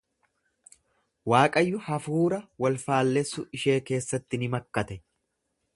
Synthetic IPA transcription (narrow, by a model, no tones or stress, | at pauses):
waːkʼɐjːʊhɐfuːɾɐwɐlfaːlːɛsːʊɪʃe̞ːke̞ːsːɐt̪ːɪnɪmɐkːɐt̪ɛ